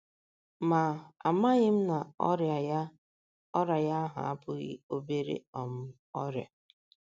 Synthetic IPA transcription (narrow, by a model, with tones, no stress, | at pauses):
ma˨a˨ma˦ɣɪ˦m̩˦na˨ɔ̰˦ɾja˨ja˦ | ɔ˦ɾa˨ja˦ɦʊ̰˨a̰˦pʊ˦ɣɪ̰˦o˦be˦ɾḛ˦ɔ˨m̩˦ | ɔ˦ɾja̰˨